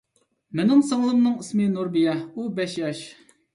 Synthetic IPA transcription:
mɪnɪŋsɑŋlˠɨmnɨŋismɨnuɾbijɛubɛʃjɑʃ

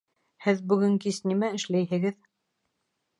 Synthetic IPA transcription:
hɘðbɵ̆ɡɘŋkisnimæɘ̆ʃlæjɦɘ̆ɡɘð

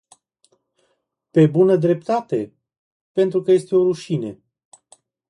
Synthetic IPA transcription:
pe̞bunəd̪ɾe̞p̚t̪at̪e̞ | pe̞nt̪ɾukəje̞st̪eo̞ɾuʃinḛ

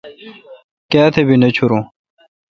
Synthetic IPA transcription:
kaːt̪ʰebinɐt͡ɕʰuɾũ

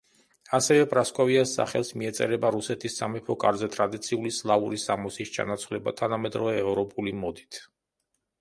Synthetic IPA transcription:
asɛvɛbʼɾaskʼɔviasːa̰χɛlˠsmiɛt̪sʼɛ̰ɾɛbaɾusɛt̪ʰisːamɛpʰɔkʼaɾzɛt̪ʼɾad̪it̪sʰiulislˠauɾisamɔsist͡ʃʰa̰nat̪sʰvlɛba̰t̪ʰanamɛd̪ɾɔvɛːvɾɔpʼulimɔd̪it̪ʰ

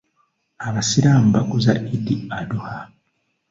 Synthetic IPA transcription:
aβasiɾam̩bakuza̰ʔidiaduha

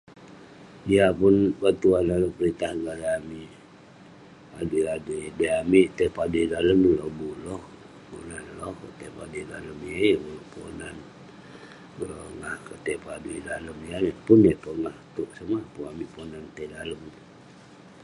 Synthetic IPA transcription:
diapunbat̪uandaləmpəɾit̪ahɡəladaami | adeadedəamiʔt̪epaduidaləmlɔbulɔh | bṵnanlɔht̪epa̰dedaləmiebuloʔponan | oŋahkət̪epaduḭdaləmianepʊnepəŋaht̪uʔsəmahpuamiponant̪edaləm

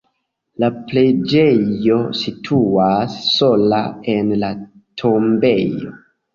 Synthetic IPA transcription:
laple̞d͡ʒejo̞sitʰuasːo̞la̰e̞nla | tʰombe̞jo̞̰

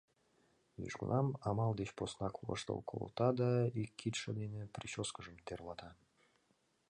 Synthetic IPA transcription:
jḭʒɡṵnɑmɑmɑlˠd̪et͡ɕposnɑklˠə̰ʂt̪ə̰lˠkʰo̰lˠt̪ɑd̪ɑikʲʰːit̪ʃəd̪enʲepɾʲiɕoskəʐəmt̪eɾlˠɑt̪ɑ

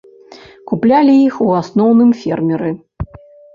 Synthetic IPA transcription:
kuplʲalʲiixuasnɔwnɨmfʲɛrmʲɛɾɨ

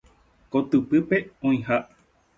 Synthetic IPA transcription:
kot̪ɨpɨpe̞õĩɦa

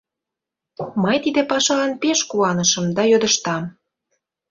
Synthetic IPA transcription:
məjt̪id̪epɑʃɑɑnpeʃkuɑnəʃə̆md̪ɑjød̪əʃt̪ɑm

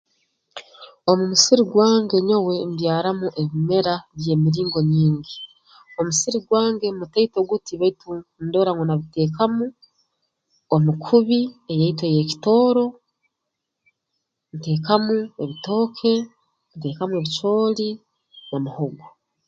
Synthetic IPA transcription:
o̞mumusiɾiɡwaːŋɡe̞ɲowe̞mbjaːɾamuʔeβime̞ɾaβje̞ːmiɾiːŋɡo̞ɲiːŋɡi | o̞musiɾiɡwaːŋɡe̞mutaitoɡutiβaitundo̞ːɾaŋwonaβite̞ːkamu | omukʰuβie̞jaitweje̞ci̥to̞ːɾo̞ | nite̞ːkamueβito̞ːkʰe̞ | nte̞ːkamue̞βit͡ʃo̞ːli | nomuhoɡa

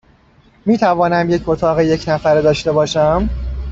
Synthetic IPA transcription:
miːt̪ʰævɒːnæmjecot̪ʰɒːɣeje̞cʰnæfæɾd̪ɒːʃt̪e̞bɒːʃæm

